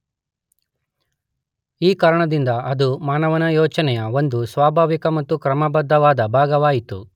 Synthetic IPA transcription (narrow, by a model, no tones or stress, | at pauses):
iːkaːɾɐɳɐd̪ind̪ɐɐd̪umaːnɐʋɐnɐjɔːt͡ʃɐnɛjɐo̞nd̪usʋaːbʱaːʋikɐmɐt̪ːukɾɐmɐbɐd̪ʱːɐʋaːd̪ɐbʱaːɡɐʋaːjit̪ṵ